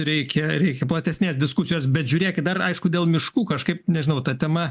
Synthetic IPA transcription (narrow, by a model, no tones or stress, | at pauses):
ɾʲɛɪkʲɛɾʲɛɪkʲɛplˠɐt̪ʲɛsʲnʲeːsd̪ʲɪskʊsʲɪjoːsbʲɛt̪ʒʲʊːɾʲeːkʲɪt̚d̪ɐrɐɪʃkʊdʲeːlˠmʲɪʃkuːkɐʃkɐɪpnʲɛʒʲɪnɐʊt̪ɐt̪ʲɛmɐ